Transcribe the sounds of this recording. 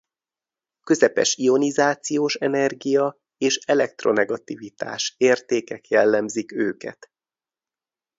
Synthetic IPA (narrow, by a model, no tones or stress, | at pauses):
kø̞zɛpɛ̰ʃio̞nizaːt̪sijoːʃɛnɛrɡijɒ | eːʃɛlɛk̚t̪ro̞nɛɡɒt̪ivit̪a̰ːʃeːrt̪eːkɛkjɛlːɛmzikøːkɛ̰t̪